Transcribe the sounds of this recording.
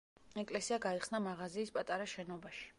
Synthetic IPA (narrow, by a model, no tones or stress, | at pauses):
ɛkʼlɛsiaɡaiχsnamaʁaziːspʼat̪ʼaɾaʃɛnɔbaʃi̥